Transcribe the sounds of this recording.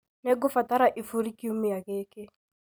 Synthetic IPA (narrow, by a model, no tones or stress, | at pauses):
nɛɡʊfataɾaʔifuɾikiumijakeːkɪ